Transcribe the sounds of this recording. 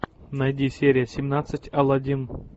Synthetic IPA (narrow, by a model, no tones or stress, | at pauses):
nɐjdʲisʲeɾʲɪjəsʲɪmnat̪sɨtʲɐlˠɐdʲin